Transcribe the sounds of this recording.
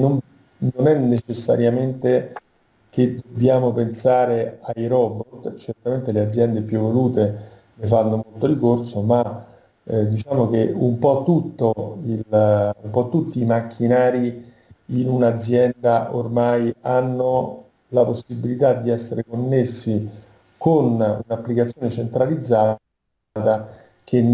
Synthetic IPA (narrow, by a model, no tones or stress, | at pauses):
nom | nonɛnːet͡ʃesːa̰ɾjament̪e | k̟ed̪obːjaːmopensaːɾeajɾɔbort̪t͡ʃert̪ament̪elead̪zːjɛnd̪epjuvːoluːt̪e | lefanːomolt̪oɾikorsoma | d̪it͡ʃaːmok̟eumpɔt̪ːut̪ːoilumpɔt̪ːut̪ːiːmakʰːinaːɾi | inunad̪zːjɛnd̪aʔormajanːo | laposːibilit̪ad̪ːiɛsːeɾekonːesːi | konṵnapːlikat̪sjoːnet͡ʃent̪ɾalid̪zːa | t̪a | k̟en